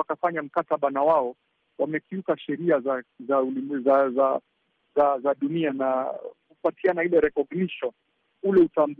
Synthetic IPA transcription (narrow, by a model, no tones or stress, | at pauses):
akafaɲam̩kataɓanawaɔ | wamɛkiukaʃɛɾiazazaulizaza | zazaɗunianakupatianahilɛɾɛkɔɡniʃɔ | ulɛutamb